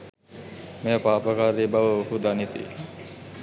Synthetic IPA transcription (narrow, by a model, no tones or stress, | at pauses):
mepaːpəkaːɾebaʋəhud̪anit̪ḭ